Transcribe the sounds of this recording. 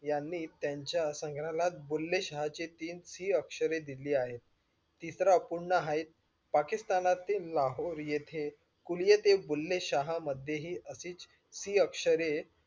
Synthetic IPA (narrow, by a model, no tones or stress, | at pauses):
janːiːt̪jaɲt͡ɕjasəŋɡʱɾalat̪̚bulːeɕaɦat͡ɕit̪iːnsiːəkʂəɾed̪iliːaɦet̪ː | isɾapuɽɳaɦait̪̚ | pakist̪anat̪ːelaɦoɾjet̪ʰe | kuljet̪ebulːeɕaɦaməd̪ʱjeɦiːʔəsiːt͡s | siːəkʂəɾe